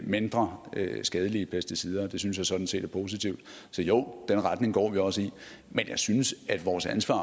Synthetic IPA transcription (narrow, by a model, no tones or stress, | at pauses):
me̝nd̥ʁɐsɡ̥ɛːð̞ˠəliəpʰæsd̥isiːð̞ˠɐd̥e̝s̬yns̬jɑ̈sɒ̽d̥n̩se̝̰ːd̥æɐpʰo̝ːs̬it͡sʰiʊd̥ | sɒ̽joʊ̰d̥enʁad̥ne̝ŋɡ̥ɒ̰ːʋiɒ̽səi | menjɑ̈ɪsynəsæd̥ʋɒːsænsʋɑ̰̈ː